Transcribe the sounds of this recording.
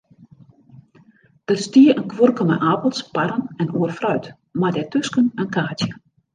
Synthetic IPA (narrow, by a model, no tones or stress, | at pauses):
d̥ərstiəʔənkʋurkəmɛ̰ʔaːpəlˠspaɾənɛnuərfrœɥt | madɛtøskənənkaːtjə